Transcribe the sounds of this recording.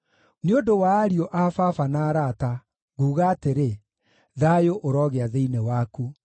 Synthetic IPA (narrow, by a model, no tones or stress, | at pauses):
neodowaːɾiɔʔafafanaːɾata | ɣuːɣaːteɾe | ðajoʔoɾɔːɣeaðeinewaku